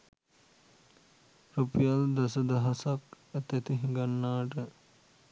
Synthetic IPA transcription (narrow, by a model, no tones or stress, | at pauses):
ɾopijald̪ɐsəd̪ɐɦasak | æt̪ɛt̪iɦĩŋɡanːaːʈə